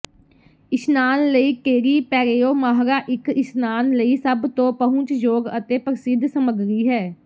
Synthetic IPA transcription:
ɪsnaːnləiːkeːɾiːpɛːɾeːoːmaːɦɾaːʔɪkɪsnaːnləiːsəbt̪õːpəɦʊ̃t͡ʃd͡ʒoːɡət̪eːpɾəsɪd̪ʱsəməɡɾiːɦɛː

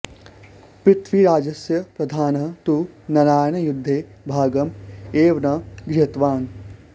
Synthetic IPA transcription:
pɾɪt̪ʰʋiɾaːd͡ʒɐsjɐpɾɐd̪ʱaːnɐt̪unɐɾaːjɐnɐjud̪ʱːeːbʱaːɡɐmeːʋnɐɡɾɪɦɐt̪ʋaːn

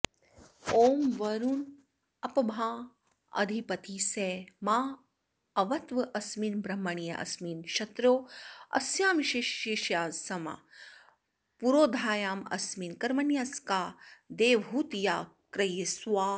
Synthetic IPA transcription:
oːmʋɐɾun | ɐpɐbʱaː | ɐ̰d̪ʱipɐt̪iːseːmaː | ɐʋɐt̪ʋɐʔɐsmiːnbɾɐmːɐɳijɐ̰ʔɐ̰smiːnʃɐt̪ɾoːɐ̰sjaːmiʃeːʃeːʃjaːsɐma̰ | puɾoːd̪ʱaːjaːmɐ̰smiːnkɐɾmɐnjaskaːd̪eːʋɦuːt̪jaːkɾɐjɐswaː

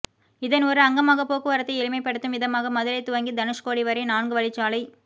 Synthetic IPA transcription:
ɪðɐnɔɾɯɐŋɡɐmaːɣɐpoːkːɯʋɐɾɐt̪ːɐɪɛlɪmɐɪpːɐɽɯt̪ːɯmʋɪðɐmaːɣɐmɐðɪlɐɪt̪ːʊʋɐŋɡid̪ɐnɯʂkoːɽiʋɐɾɐɪnaːɳɡɯʋɐɭɪt͡ʃːaːlɐɪ

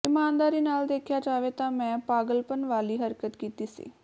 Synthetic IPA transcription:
ɪmaːnd̪aːɾiːnaːld̪eːkʰɪjaːd͡ʒaːʋeːt̪ãːmɛ̃ːpaːɡəlpənʋaːliːɦəɾkət̪kiːt̪iːsḭː

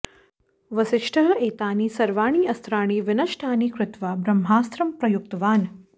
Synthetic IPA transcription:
ʋɐsɪʃʈʰɐɦɐeːt̪aːniːsɐɾʋaːɳ̃iːɐst̪ɾaːɳ̃iːʋɪnɐʃʈʰaːniːkɾɪt̪ʋaːbɾɐmɦaːst̪ɾɐmpɾɐjuk̚t̪ɐʋaːn

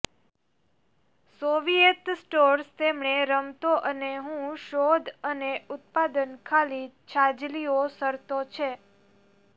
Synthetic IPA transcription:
soʋijet̪sʈoɾst̪emɳeɾəmt̪oʔəneɦũʃod̪ʱəneʊt̪̚pad̪ənkʰalit͡ʃʰad͡ʒliosəɾt̪ot͡ʃʰe

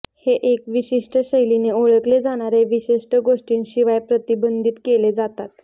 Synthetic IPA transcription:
heʔekʋiɕiʂʈəɕəjlineoɭəkled͡zaɽ̃aɾeʋiɕiʂʈəɡoʂʈiːnɕiʋajpɾət̪ibənd̪ʱiːt̪keled͡zat̪at̪

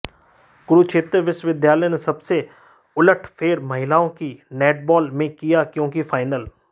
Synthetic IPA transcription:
ɡʊɾukʃʰeːt̪ɾəʋɪʃʋɪd̪jaːlə̃nesɐbse | ʊləʈʰpʰeːɾmɐɦɪlaːõkinɛːʈ̚bɔːlmẽkijakjõːkifʰaːɪnəl

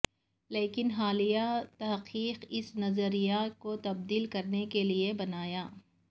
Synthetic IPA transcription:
leːkɪnɦaːlijat̪ɐɦqiːqɪsnɐzəɾijakot̪ɐb̚d̪iːlkɐɾnekeliebɐnaːjaː

